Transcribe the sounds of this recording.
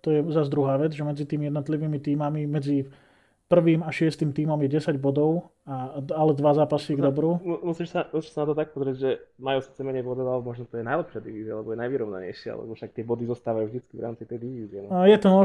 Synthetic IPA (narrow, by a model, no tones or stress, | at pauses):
t̪ɔjɛzazd̪ɾuɦaːʋɛd͡zʒɛmɛd͡zit̪iːmijɛd̪nɔt̪liʋiːmit̪iːmamimɛd͡zi | pr̩ʋiːmaʃɪɛst̪iːmt̪iːmamjɛɟɛsaɟbɔd̪ɔʊ | aalɛd̪ʋazaːpasiɡd̪ɔbɾuːmumusiːʃsamusiːʃsanat̪ɔt̪ak̚pɔzɾɪɛɟʒɛmajuːsit̪t͡sɛmɛɲɛjbɔd̪ɔalɛmɔʒnɔt̪ɔjɛnajlɛpʃɪad̪iʋiːzɪalɛbɔjɛnajʋiɾɔʊna̰ɲɛ̰jʃɪa̰a̰lɛ̰bɔfʃak̚t̪ɪɛbɔd̪izɔst̪aːʋajuːʒd̪it͡skiʋɾa̰ːmt͡sit̪ɛjd̪iʋiːzɪɛnɔjɛt̪ɔmɔ